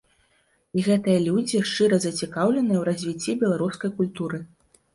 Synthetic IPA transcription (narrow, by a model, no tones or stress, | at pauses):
iɣɛt̪ɨjɐlʲud͡zʲiʂt͡ʂɨɾɐzɐt͡sʲikawlʲɛnɨjɛwɾɐzʲvʲit͡sʲːibʲɛlˠaɾuskɐjkulʲt̪uɾɨ